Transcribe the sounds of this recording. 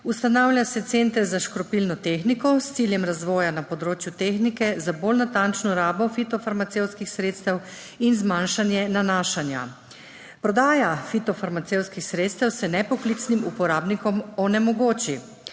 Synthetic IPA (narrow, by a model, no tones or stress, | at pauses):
ust̪anawlʲjasɛt̪sent̪ɾzaʃkɾɔpilnɔt̪exnikɔst̪siljɛmɾazʋɔːjanapɔd̪ɾoːt͡ʃjut̪eːxnikɛzabolnat̪ant͡ʃnɔɾaːbɔfit̪ɔfaɾmat̪sewt̪skixsɾeːt̪st̪ɛw | inzmanʃanjɛnanaːʃanja̰ | pɾɔd̪aːjafit̪ɔfaɾmat̪sewt̪skixsɾeːt̪st̪ɛwsɛnɛpɔklit̪snimupɔɾaːbnikɔmɔnɛmɔɡoːt͡ʃi